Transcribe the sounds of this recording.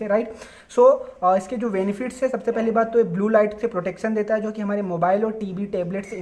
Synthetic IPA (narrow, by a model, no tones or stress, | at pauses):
eɾaɪʈ | soːɪsked͡ʒoːʋeːnɪfɪʈsɛsɐbsepɛɦlibaːd̪̚t̪oeːk̚bluːlaːɪʈsepɾoːʈeːkʃənd̪eːt̪aɦɛd͡ʒoːkiɦɐmaːɾemoːbaːɪlɔːɾʈiːʋiʈeːbleʈs